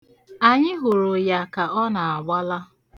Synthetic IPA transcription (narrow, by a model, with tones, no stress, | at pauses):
a˨ɲɪ˦ɦʊ˨ɾʊ˨ja˨ka˨ɔ˦na˨a˨ɡ͡ba˦la˦